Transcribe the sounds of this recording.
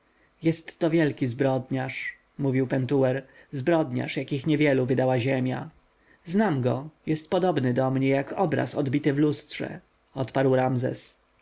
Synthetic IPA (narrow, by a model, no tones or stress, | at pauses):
jɛst̪ːɔvʲjɛlkʲizbɾɔd̪ɲaʂ | muvʲiwpɛnt̪uwɛɾzbɾɔd̪ɲa̰ʂjakʲixɲɛvʲjɛluvɘd̪awaʑemʲja | znamɡɔjɛst̪̚pɔd̪ɔbnɘd̪ɔmɲɛjakɔbɾa̰sɔ̰d̪bʲit̪ɘvlustʂɛ̰ | ɔt̪paɾwɾamzɛ̰s